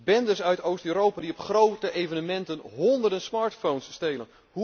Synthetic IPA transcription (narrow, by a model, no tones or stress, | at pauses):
bɛndəsœɥtowstøːɾowpadiɔpχrowtəʔejvənəmɛntənɦɔndərdənsmaːɹtfownsːtejlən | hu